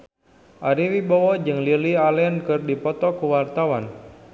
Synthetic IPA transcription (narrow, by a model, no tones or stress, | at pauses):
ʔaɾiwibawɔd͡ʒɨŋlilialɛnkɨrdipɔt̪ɔkuwart̪awan